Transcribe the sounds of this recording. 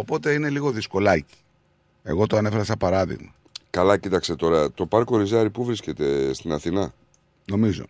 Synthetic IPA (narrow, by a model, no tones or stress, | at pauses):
o̞po̞t̪e̞ine̞liɣo̞ðisko̞lɐci̥ | e̞̰ɣo̞t̪oɐne̞fe̞ɾɐsɐpɐɾɐðḭɣmɐ | kɐlɐcit̪ɐkst̪e̞t̪o̞ɾɐt̪o̞pɐɾko̞ɾizɐɾipuvɾisce̞t̪e̞st̪inɐθinɐ | no̞mizo̞̰